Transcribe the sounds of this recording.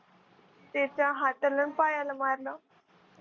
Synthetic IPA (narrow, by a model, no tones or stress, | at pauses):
t̪et͡ɕaɦat̪ələnpajalamaɾla